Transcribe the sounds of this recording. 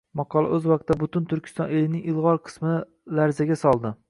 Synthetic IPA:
mɑqʰɒlˠa̰ʔɵzwɑq̚t̪ːabʊt̪ʊnt̪ʰʊɾkʲʰɪ̥st̪ɒnelɪnɪŋɪlˠʁɒɾqʰɨ̥smɪ | laɾzaɡʲasɒlˠd̪ɪ

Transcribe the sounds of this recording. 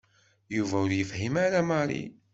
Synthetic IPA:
juvæʊɾjəfhimaɾæmɑɾˤḭ

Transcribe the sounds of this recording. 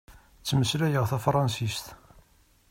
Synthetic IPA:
t͡sːməslæjəʁθæfɾˤɑnsist̪

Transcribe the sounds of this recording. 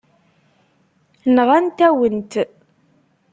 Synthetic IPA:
nʁænt̪æwənt̪

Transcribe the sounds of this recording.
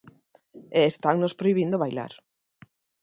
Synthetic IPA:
eːst̪aŋnospɾoiβ̞ind̪oβajla̰ɾ

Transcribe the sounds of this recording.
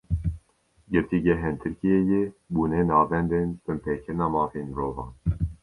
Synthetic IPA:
ɡɨɾt̪iːɡɛɦɛnt̪ʰɨɾkijejebuːneːnɑːvɛnd̪eːnbɨnpʰeːkʰɨɾɨnɑːmɑːfeːnmɨɾoːvɑ̰ːn

